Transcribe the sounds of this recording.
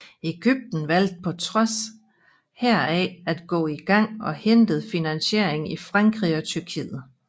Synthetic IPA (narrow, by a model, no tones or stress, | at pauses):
e̝ɡ̥yb̥̚d̥n̩ʋæl̰d̥̚pʰɒ̽t͡sʰʁɒ̽s | heɐ̰ɛæd̥ɡ̥ɔ̰̽ːiɡ̥ɑ̈ŋ̰ɒ̽hend̥ð̞̩ˠfinænɕe̝ɐ̰eŋifʁɑ̈ŋɡ̥ʁiɒ̽t͡sʰyɐkʰḭːð̩ˠ